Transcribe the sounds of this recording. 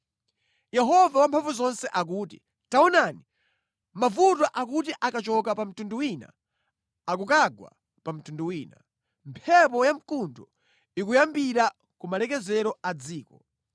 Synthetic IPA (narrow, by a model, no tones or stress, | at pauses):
jɛɦɔvawampʰaɱvuzɔnsɛʔak̬uːtḭ | taɔnani | mavut̬waʔak̬utiʔakat͡ʃɔkapam̩tunduwina̰ | ak̬ukaɡwa̰ | pam̩tunduwiːna̰ | mpʰɛpɔjam̩kundɔ | ikujambiɾa | kumalɛk̬ɛzɛɾɔad͡ziːkɔ